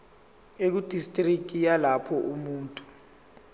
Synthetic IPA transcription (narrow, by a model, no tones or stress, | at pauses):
ek̬ud̥ʱistʼrikʼijalapʰɔʔumuːntʼu̥